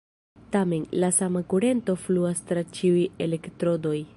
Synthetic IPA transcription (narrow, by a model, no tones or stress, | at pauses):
tame̞nlasamakuɾe̞nto̞fluastɾat͡ʃiuje̞le̞ktɾo̞do̞j